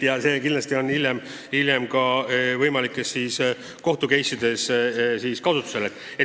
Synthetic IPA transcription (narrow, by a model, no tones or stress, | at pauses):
jɑse̞ːkind̪lɑst̪io̞nːiljem | iljemkɑvɤjmɑlikːˑesːiːs | ko̞ht̪uke̞jsud̪̥e̞ssiːskɑsut̪ːˑu̥se̞let̪ːˑ | e